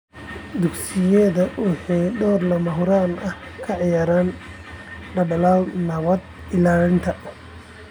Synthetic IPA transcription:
d̪ʊɡsɪjɛðɐwʊħɑjɖɔːrlɐmɐɦʊɾaːnɐhkʰɐʕɪjaːɾaːn | ɖɐɖɐlaːlnɐβɐd̪ | ɪlaːlɪnt̪ʰɐ

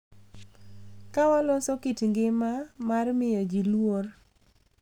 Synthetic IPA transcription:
kawalɔsɔkitŋɡɪmamarmɪjɔd͡ʒilwor

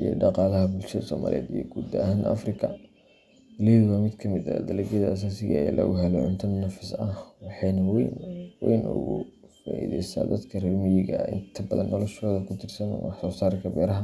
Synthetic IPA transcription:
ʔijɔ̰ɖɑqɑːlɐɦɐbʊlʃɐðɐsɔːma̰ːlʔḭɛ̰d̪ijɔɡud̪ɐɦanɐ̰frɪkʰɐ | ɪliðʊwamɪd̪kʰɐmɪd̪ɐ̰d̪ɐlɛɡɐðɐs̬ɐnsɪɣɐɛjlʔɐ̰ɣʊ̰ɦɛlɛʕʊnt̪ʰɐnːɐfɪsɐhwɑħɑnɐwɛnwɛjnʔʊ̰ɣʊ | faːʔḭðɛ̰jst̪ʰa̰ːd̪ɐd̪kʰɐrɪlmɪjɪɣɐɪ̰nt̪ʰɐbɐðɐ̰nːɔlɔʃɔːðɐkʰʊt̪ʰɪrsɐn̰wɑħsɔːsaːɾkʰɐbɛːɾɐɦɐ

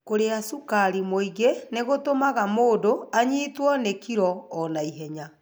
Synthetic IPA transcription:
koɾeasukaɾimoiɣeneɣotomaɣamoːdoaɲiːtwɔnekiɾɔːnaiɦɛɲa

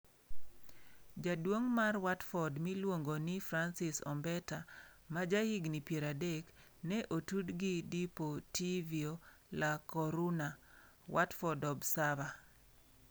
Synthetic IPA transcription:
d͡ʒadwoŋmarwatfɔdmilwoŋɡonifɾansɪsɔ̰mbɛta | mad͡ʒahiɡnipjeɾadek | nɛʔotudɡidipotʰivio | lakɔɾuna | wʔatfɔdɔbsava

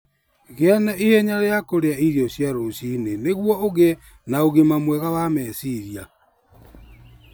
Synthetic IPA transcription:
ɣeɛnɛʔiɛɲaɾeakoɾeaiɾjɔɕjaɾoɕineneɣwɔoɣe | naoɣemamwɛɣawamɛsiɾja

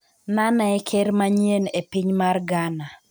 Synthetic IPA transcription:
nanaɛkʰeɾmaɲjenepiɲmarɡana

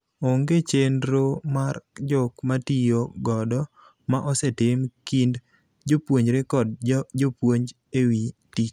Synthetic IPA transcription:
oŋɡet͡ʃendɾomard͡ʒɔkmatijoɡɔdɔ | maʔɔsɛtɪmkind | d͡ʒopwoɲɾekɔd̚d͡ʒopwoɲd͡ʒ | ewitik̚

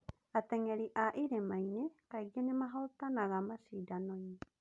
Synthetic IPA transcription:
at̪eŋeɾiʔaʔiɾemajnekaiɣianemaɦot̪anaɣamasidanoɲi

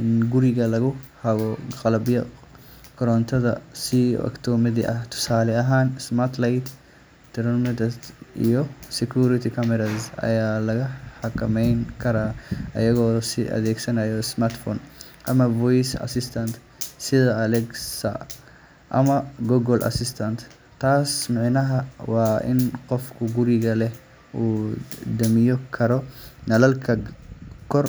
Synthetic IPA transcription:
ɪnɡʊɾiɡɐlɐɡɔhɐɡɔkʼɐlɐbɪjɐ | kɔɾɔnt̪ɐd̪ɐsḭɐ̰kt̪omɛd̪ɪʔɐt̪ʊ̥saːlɛɐɦansmaɾt̪lajt̪ | t̪ɛɾɔnmɛd̪ɐɪjɔsɛkuɾɪt̪ikɐmɛɾazɐ̰jalɐɡɐhɐkːɐmɐjnkɐɾɐɐ̰jɐɡosɪɐ̰d̪eːksɐnɐjɔsmaɾt̪fon | ʔɐmɐvɔjsɐ̰sɪst̪ʰɐnt̪ | sɪðɐːlɛɡsɐ̰ | ʔɐ̰mɐɡɔɡɔlʔɐ̰sɪst̪ʰɐnt̪ | t̪ːaːsmɪʕɪnɐɦɐwaːʔɪ̰nqɔfkʰʊɡʊɾɪɣɐlɛ | ʔuːd̪ɐmɪjɔkʰɐɾɔnɐlɐlkʰɐkʰɔr

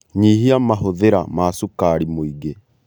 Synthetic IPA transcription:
ɲiɦiamaɦoðeɾa̰maːsukaɾimoiɡe

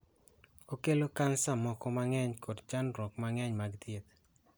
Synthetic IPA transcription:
okelokansamɔkɔmaŋɛɲkodt͡ʃanɾɔkmaŋɛɲmaɡd̪jet̪

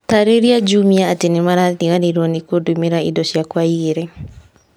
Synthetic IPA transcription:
taɾeɾiad͡ʒumiaːtenemaɾaniɣaneɾwɔnikodumeɾaḭdɔʃjakwaieɾɛ

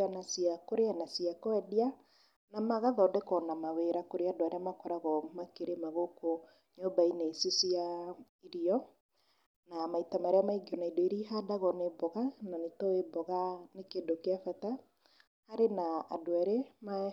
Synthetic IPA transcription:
anasiakoɾeanasiakɔɛdia | namaɣaðɔdekɔnamaweɾakoɾeadoaɾeamakɔɾaɣɔmakeɾemaɣoko | ɲɔbaineisisia | iɾiɔ | namaitamaɾeamaiɡiɔnaidoiɾiɦadaɣɔnebɔɣananetɔebɔɣanekedokeafɛta | haɾenaa̰doaɾema

